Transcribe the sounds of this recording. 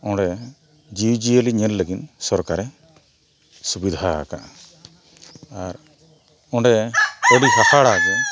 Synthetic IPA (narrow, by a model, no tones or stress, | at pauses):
ɔ̃ɖɛ | d͡ʒiwd͡ʒijəliɲɛnləɡinsɔɾkaɾɛ | subid̪ʱa̰ka̰ʔ | aɾ | ɔ̃ɳɖɛəɽiɦahaɽaɡin